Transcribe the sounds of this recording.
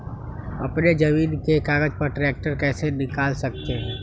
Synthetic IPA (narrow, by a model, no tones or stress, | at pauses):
ɐ̰pned͡ʒɐmiːnkekaːɡəd͡ʒpɐɾʈɾɛːk̚ʈəɾkɛːsenɪkaːlsɐk̚t̪eɦɛ̃ː